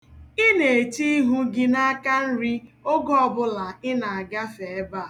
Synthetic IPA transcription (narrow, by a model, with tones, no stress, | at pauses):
ɪ˦ne˨t͡ʃi˦ɦu˦ɡɪ˦na˦a˦ka˦n̩˦ɾi˦o˦ɡɔ˦ɔ˦˨bʊ˦la˨ɪ˦na˨a˨ɡa˦fe˨e˦ba˦˨